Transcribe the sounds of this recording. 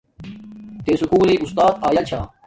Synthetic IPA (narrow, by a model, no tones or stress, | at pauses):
t̪eːsʊkuːliːʔust̪aːt̪aːjaːt͡ɕʰaː